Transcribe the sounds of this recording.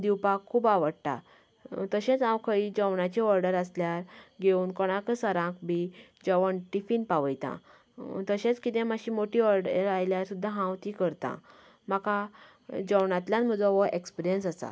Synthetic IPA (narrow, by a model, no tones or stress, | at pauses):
d̪iwpakʰːuːbaʋəɽʈ̪a̰ | t̪əɕẽt͡sãwkʰəid͡ʑəwɳat͡ɕiʋəɾɖəɾasljaɾɡeuːnkɔɽ̃ãkəsəɾãkbid͡ʑəʋəɳʈifinpaʋəjt̪ã̰ | t̪əɕẽt͡skit̪ɛ̃maɕĩːmoʈiʋəɾɖəɾajljaɾsud̪ʱːãɦãwt̪ikəɾt̪ã̰ | maka | d͡ʑəwɳãt̪lʲjãnmud͡zɔʋɔʔekspiɾijənsasa̰